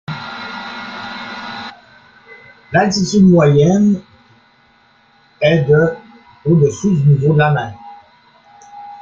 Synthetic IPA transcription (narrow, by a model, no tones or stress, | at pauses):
latitydmwajɛn | ɛdə | odəsyznivolaman